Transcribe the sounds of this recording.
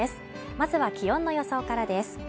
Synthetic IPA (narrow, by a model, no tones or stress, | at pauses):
esɨ̥ | mazɨβakʲijõ̞nːo̞jo̞so̞ːkaɾad̪e̞sɨ̥